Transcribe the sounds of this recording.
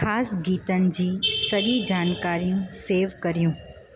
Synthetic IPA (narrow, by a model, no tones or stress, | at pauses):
aːsɡiːt̪ənɪ̆d͡ʑiːsɐɠid͡ʑaːnkaːɾijũseːʋkɐɾijũː